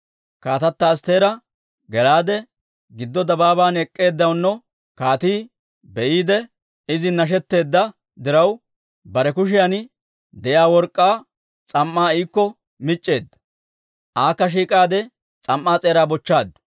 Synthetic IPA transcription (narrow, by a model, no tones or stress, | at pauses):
kaːt̪ɐt̪ːast̪eːɾɐ | ɡɛlaːd̪ɛ | ɡɪd̪ːɔd̪ɐbaːbaːnɛkʼːe̞ːd̪ːɐwnːɔ | kaːt̪iː | bɛʔiːd̪ɛ | ɪzɪnɐʃ̬ɛt̪ːe̞ːd̪ːɐ | d̪ɪɾɐw | bɐɾɛkʊʃ̬ɪjɐn | d̪ɛjaːwɔɾkʼːaː | t͡sʼɐmːaːiːkːɔ | mɪt͡ʃʼːe̞ːd̪ːɐ̥ | ʔaːkːɐʃ̬iːkʼaːd̪ɛ | t͡sʼɐmːaːt͡sʼeːɾaːbɔt͡ʃːaːd̪ʊ̥